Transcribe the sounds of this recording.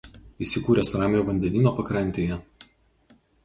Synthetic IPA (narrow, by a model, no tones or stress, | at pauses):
isʲɪkuːɾʲɛsɾɑːmʲjuːʋɐnʲd̪ʲɛnʲiːnoːpɐkɾɐnʲt̪ʲeːjɛ